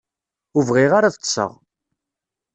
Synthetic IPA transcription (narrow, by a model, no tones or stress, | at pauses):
ʊvʁiʁaɾaðəsˤə̰ʁ